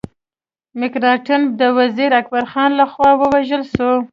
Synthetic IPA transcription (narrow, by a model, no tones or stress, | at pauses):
mɪkɾɑʈɪm̚d̪əwaziɾak̚baɾxɑnlaxwɑwəwaʒəlʃo